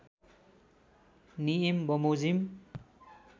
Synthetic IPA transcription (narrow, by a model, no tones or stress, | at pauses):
niembɔmozim